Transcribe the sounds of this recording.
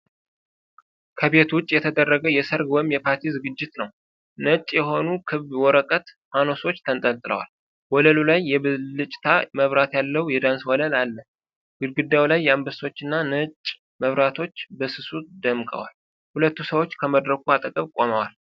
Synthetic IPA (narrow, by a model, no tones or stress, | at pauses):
kʰəbe̞t̪wʊt͡ʃʼːjɛt̪ʰəd̪ərːəɡəjɛsəɾɡwɔjmjɛpʰaɾt̪ʰizɨɡɨd͡ʒːɪt̪nəw | nət͡ʃʼjɛɦo̞nukʰɨββwɔɾəkʼət̪mano̞so̞t͡ʃːt̪ʰənt̪ʼəlt̪ʼɨlə̰wa̰l | wɔləlulajːɛβlɨt͡ʃʼt̪ʰaməβɾat̪jalːəwujɛd̪answɔləlalːə | ɡ̥ɨlɡɨd̪ːawlajːɛambəso̞t͡ʃːɨnːanət͡ʃʼ | məβɾat̪ʰo̞t͡ʃːbəsɨsud̪əmkʼə̰wal | hulət̪ːusəwo̞t͡ʃːkʰəməd̪ɾəkuat̪ʼəkʼəβkʼo̞məwal